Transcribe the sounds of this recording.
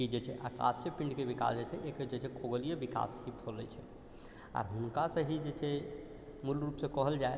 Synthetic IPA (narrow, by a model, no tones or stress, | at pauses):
kid͡ʒet͡ʃʰɛʔaka̰sjəpĩɳɖkebika̰sd͡ʒet͡ʃʰɛʔeked͡ʒet͡ʃʰɛkʰoɡəlijebika̰shipʰolɛt͡ʃʰɛ | a̰ɾɦunkasə̃ɦid͡ʒet͡ʃʰɛ | mulɾupsẽkɔɦəld͡ʒae